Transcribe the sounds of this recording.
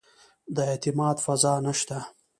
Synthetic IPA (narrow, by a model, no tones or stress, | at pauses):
d̪əet̪ɪmɑːd̪fazɑːnaʃt̪a